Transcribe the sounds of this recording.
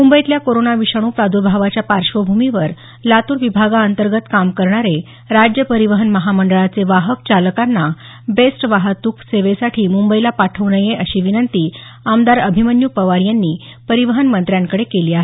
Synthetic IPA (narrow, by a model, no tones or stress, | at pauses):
mumbəjt̪ljakoɾonaʋiɕəɽ̃uːkad̪ʱuɾbʱaʋat͡ɕjapaɾʂʋəbʱumiʋəɾ | lat̪uːɾʋibʱaɡaənt̪əɾɡət̪kamkəɾɳ̃aɾe | ɾad͡ʑjəpəɾiʋəɦənməɦaməɳɖəɭat͡seʋaɦək̚t͡saləkanːa | besʈʋaɦət̪ukseʋesaʈʰiːmumbəilapaʈʰəʋnəjeʔəɕiːʋinənt̪iː | amd̪aɾəbʱimənjupəʋaɾjanːiː | pəɾiʋəɦənmənt̪ɾjaŋkəɽekeliːaɦe